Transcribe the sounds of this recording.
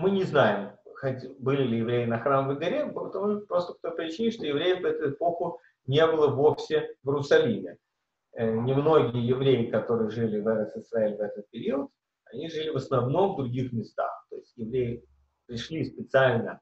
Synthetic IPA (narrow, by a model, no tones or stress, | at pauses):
mɨnʲɪznajɪmxɐtʲbɨlʲɪlʲɪjɪvɾʲejɪnɐxɾamvʲəɡɐɾʲept̪ɐmupɾo̞st̪ək̚t̪o̞jpəɾʲɪt͡ɕːinʲɪʂt̪ojɪvɾʲejɪfpɐɛt̪ʊɪpo̞xʊ | nʲe̞bɨlˠəvofsʲɪvʲɪɾʊsɐlʲimʲɪ | ənʲɪmno̞ɡʲɪjəjɪvɾʲejɪkɐt̪o̞ɾɨjəʐɨlʲɪvɛɾəsɨsɾaɛlʲvɛt̪ət̪̚pʲɪɾʲiət̪ | ɐnʲiʐɨlʲɪvəsnɐvno̞md̪ɾʊɡʲixmʲɪst̪a̰xt̪o̞jɪsʲtʲjɪvɾʲejɪ | pɾʲɪʂlʲispʲɪt̪sɨalʲnə